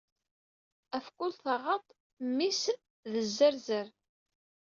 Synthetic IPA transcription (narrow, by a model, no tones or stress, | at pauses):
æfkʊlθəʁət̪ˤ | mːis | ðəzːəɾzəɾ